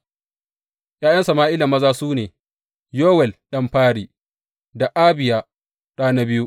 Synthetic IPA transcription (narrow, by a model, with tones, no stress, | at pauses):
jʔaː˦jɐ˦nsa˨maː˦ʔɪ˦la˨mːɐ˦zaː˦suː˦neː˨ | joː˦wɛ˨lɗɐ˦mɸaː˦ɽiː˨ | da˨ʔaː˦bɪ˨jaː˦ | ɗaː˦na˦bɪ˦ju˦ʔ